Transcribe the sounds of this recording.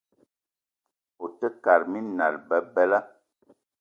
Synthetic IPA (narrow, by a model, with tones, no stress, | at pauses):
o˨tə˦ka˨ɾmi˦na̰˨lbə˨bɛ˦la˦